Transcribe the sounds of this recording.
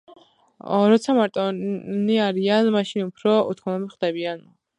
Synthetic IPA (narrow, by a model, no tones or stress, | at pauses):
ɾɔt̪sʰamaɾt̪ʼɔniaɾianmaʃinupʰɾɔṵt̪ʰkʰɔnɔbipχd̪ɛbian